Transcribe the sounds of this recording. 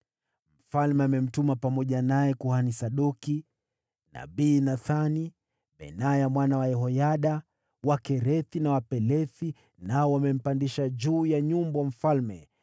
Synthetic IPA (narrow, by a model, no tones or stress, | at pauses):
m̩falmɛamɛm̩tumapamɔʄanajɛkuhanisaɗɔki | na̰ɓiːnaθani | ɓɛ̰najamwanawaɛɦɔjaɗa | wakɛɾɛθinawapɛlɛθi | naɔwamɛm̩pandiʃad͡ʒuːjaɲumbwam̩falmɛ